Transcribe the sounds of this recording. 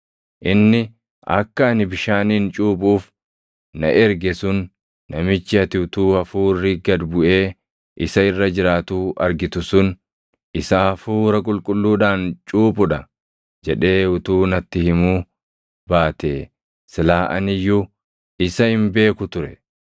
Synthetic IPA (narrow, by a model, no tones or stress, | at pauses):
ʔɪnːɪ | ʔɐ̰kːɐːnɪbɪʃaːniːnt͡ʃʼuːpʼuːf | nɐ̰ʔɛɾɡɛsʊnː | ɐmɪt͡ʃːɪɐt̪ɪʊt̪uːɐfuːrːɪɡɐd̪bʊʔe̞ː | ʔɪsɐɪrːɐd͡ʒɪɾaːt̪uːʔɐɾɡɪt̪ʊsʊn | ɪsaːfuːɾɐkʼʊlkʼʊlːuːᶑ̪aːnt͡ʃʼuːpʼʊᶑɐ | d͡ʒɛᶑe̞ːʊt̪uːnɐt̪ːɪhɪmuː | baːt̪eː | sɪlaːʔɐ̰nɪjʊ | ɪsɐhɪmbe̞ːkʊt̪ʊɾɛ